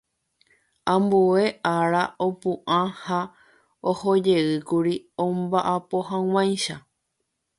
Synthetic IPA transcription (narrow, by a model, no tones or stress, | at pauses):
ãmbue̞ʔaɾaopũʔãha | ohod͡ʒe̞ɨkuɾiõmbaʔapo̞ɦãw̃ãj̃ʃa